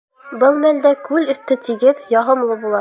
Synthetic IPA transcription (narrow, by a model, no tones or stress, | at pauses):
bɤlˠmæld̪ækʉlɵ̆θt̪ɘt̪iɡɘðjɑɦɤ̆mlˠɤbulˠɑ